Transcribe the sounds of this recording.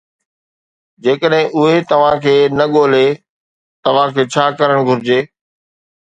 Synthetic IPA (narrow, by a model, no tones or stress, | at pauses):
d͡ʑeːkəɗɦɪ̃ʔʊɦet̪ɐʋ̤ãkʰeːnɐɠoːle | t̪ɐʋ̤ãkʰeːt͡ɕʰaːkɐɾəɽ̃ɡʱʊɾɪd͡ʑeː